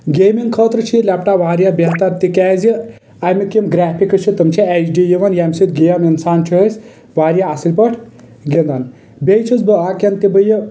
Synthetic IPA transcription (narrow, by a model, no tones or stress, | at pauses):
ɡejmiŋɡkʰət̪ɾɨt͡ʃʰilʲapʈaʋaːɾjabʲeɦt̪ɐɾt̪ikɛːzji | ɐjmikimɡɾaːpʰikɨt͡ʃʰit̪ɨmt͡ʃʰiɛt͡ʃɖijiʋɐnjamsit̪ɡejɐminsaːnt͡ʃʰiəsʲ | ʋaːɾjaːsilʲpəʈʰ | ɡind̪ɐn | bʲejt͡ʃʰizbɨaːkʲɐnt̪ibəjə